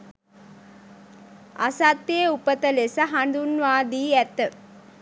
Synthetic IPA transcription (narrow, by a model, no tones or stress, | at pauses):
a̰sat̪ːjeupət̪əlesəɦand̪unʋaːd̪iːɛt̪ə